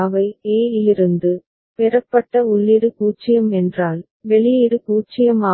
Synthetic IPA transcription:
ʋɐɪeːɪjɪɾɯnd̪ɯ | pɛɾɐpːɐʈːɐʊɭːɪɾɯkuːt͡ʃːɪjɐmɛndraːl | ʋɛɭɪjɪɾɯkuːt͡ʃːɪjɐmaː

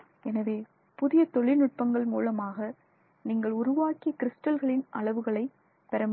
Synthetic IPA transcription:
ɛnɐʋeː | pʊðɪjɐt̪ɔɭɪnʊʈ̚pɐŋɡɐɭmuːlɐmaːɣɐ | niːŋɡɐɭʊɾʊʋaːkɪjɐkɪɾɪsʈɐlɣɐɭɪnʔɐɭɐʋɯɣɐɭɐɪ | pɛɾɐm

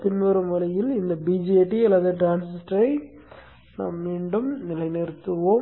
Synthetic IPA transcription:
t̪ɪnmɐɾɯmʋɐlɐjɪlɪnd̪ɐbiːd͡ʒeːʈːiɐlːɐðɯʈɾaːnsɪsʈɾɐɪ | na̰ːmːiːɳɖɯmnɪlɐɪnɛɾɯt̪ːɯʋo

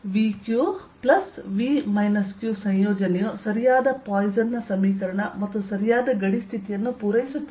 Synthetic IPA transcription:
ʋiːkjuː | plɐsʋiːmɐjnɐskjuːsɐ̃jjoːd͡ʒɐnɛjosɐɾijaːd̪ɐpaːjzɐnːɐsɐmːiːkɐɾɐɳɐmɐt̪ːusɐɾijaːd̪ɐɡɐɽist̪ʰit̪ijɐnːupuːɾɐjisut̪ːɐ

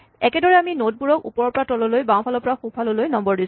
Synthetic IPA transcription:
ɛkɛdɔɹɛaminot̚buɹɔkṵpɔɹɔpɔɹatɔlɔlojbãw̃pʰalɔpɔɹaxupʰalɔlojnɔmbɔɹdis

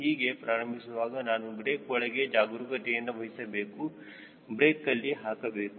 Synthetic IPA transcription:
ɦiːɡepɾaːɾɐmbʱisuʋaːɡɐnaːnubɾeːkʋɔɭɐɡed͡ʒaːɡuɾukɐʈɛjɐnːuʋɐɦisɐbeːku | bɾeːkːɐlːiɦaːkɐbeːku

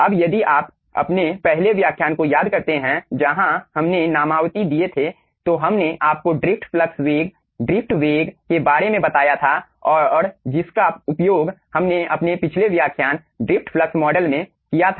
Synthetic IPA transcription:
ɐbjɐd̪iʔaːp | ɐ̰pnepɛɦleʋjaːkʰjaːnkojaːd̪kɐɾt̪eɦɛ̃d͡ʒɐɦãhɐmnenaːmaːʋt̪id̪iet̪ʰe | t̪oɦɐmneʔaːp̚koɖɾɪp̚ʰʈfləksʋeːɡ | ɖɾɪpʰʈʋeːɡkebaːɾemẽbɐt̪aːjat̪ʰaɔːɾd͡ʒɪskaʊpjoːɡhɐmneɐpnepɪt͡ʃʰleʋjaːkʰjaːn | ɖɾɪpʰʈpləksmɔːɖəlmẽ | kijat̪ʰa

